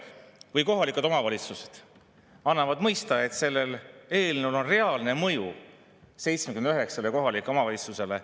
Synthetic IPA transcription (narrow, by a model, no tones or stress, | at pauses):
vɨjko̞ɦɑlikˑud̪o̞mɑvɑlʲit̪suse̥d̪̥ | ɑnːɑvɑd̪̥mɤjst̪ɑe̞t̪se̞lːe̞le̞ːlnulo̞nre̞ɑlne̞mɤju | se̞jt̪smekymend̪yɦeksɑleko̞ɦɑlikːˑeo̞mɑvɑlʲit̪suse̞le̞